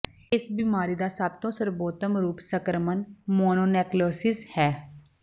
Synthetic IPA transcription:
ɪsbiːmaːɾiːd̪aːsəb̚t̪õːsəɾboːt̪əmɾuːpsəkɾəmənmoːnoːnɛːkloːsɪshɛː

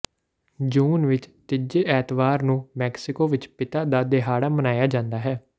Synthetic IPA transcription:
d͡ʒuːnʋɪt͡ʃt̪ɪd͡ʒeːʔɛːt̪ʋaːɾnũːmɛːksɪkoːʋɪt͡ʃpɪt̪aːd̪aːd̪eɦaːɽaːmənaːjaːd͡ʒãːnd̪aːɦɛː

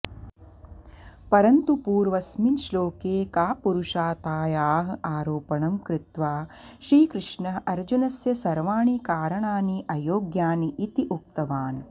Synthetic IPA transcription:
pɐɾɐnt̪upuːɾʋɐsminʃloːkeːkaːpuɾuʂaːt̪aːjaːɦɐ̆ʔaːɾoːpɐɳɐmkɾɪt̪ʋaːʃɾiːkɾɪʂɳɐɦɐɾd͡ʒunɐsjɐsɐɾʋaːɳikaːɾɐɳaːniʔɐjoːɡjaːniʔit̪iʔuk̚t̪ɐʋaːn

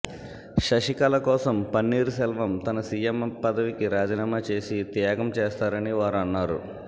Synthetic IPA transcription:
ʃɐʂikɐlɐkɔːsɐmpɐnːiːɾusɛlʋɐmt̪ɐnɐsiːjempɐd̪ɐʋikiɾaːd͡ʒiːnaːmaːt͡ʃe̞ːsit̪jaːɡɐmt͡ʃeːst̪aːɾɐniʋaːɾuɐnːaːɾu

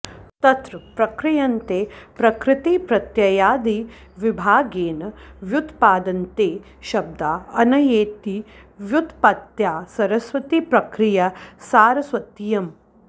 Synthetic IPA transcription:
t̪ɐt̪ɾɐpɾɐkɾijɐnt̪eːpɾɐkɾɪt̪ipɾɐt̪jɐjaːd̪iʋibʱaːɡeːnɐʋjut̪paːd̪ɐnt̪eː | ʃɐb̚d̪aːɐnɐjeːt̪iʋjut̪pɐt̪jaːsɐɾɐsʋɐt̪ipɾɐkɾijɐsaːɾɐsʋɐt̪ijɐm

